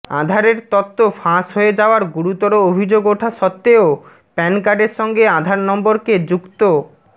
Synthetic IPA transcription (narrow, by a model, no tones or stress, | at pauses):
a̰d̪ʱaɾeɾt̪ɔt̪ːofãʃɦoed͡ʑaoaɾɡuɾut̪ɔɾoobʱid͡ʑoɡoʈʰaʃɔt̪ːeo | pɛnkaɖeɾʃɔŋɡead̪ʱaɾnɔmboɾked͡ʑukt̪o